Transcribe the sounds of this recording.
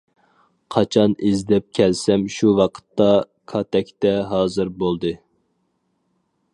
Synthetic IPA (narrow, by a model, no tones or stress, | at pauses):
qʰɑt͡ʃʰɑnɪzd̪ɛp̚kʲʰɛlsɛmʃuwɑqʰə̥t̪ːɑ | kʰɑt̪ʰɛkʲt̪ɛɦɑːzɨɾbolˠd̪ɨ